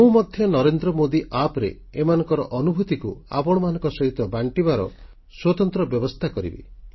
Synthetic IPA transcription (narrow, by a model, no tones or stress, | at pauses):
mũmɔd̪ʱjɔnɔɾend̪ɾɔmod̪iʔapɾḛ | emanɔŋkɔɾɔʔɔnubʱut̪ikua̰pɔɽ̃ɔmanɔ̃ŋkɔsɔɦit̪ɔbaɳʈibaɾɔ̰ | swɔt̪ɔnt̪ɾɔbjɔbɔst̪ʰakɔɾḭbḭ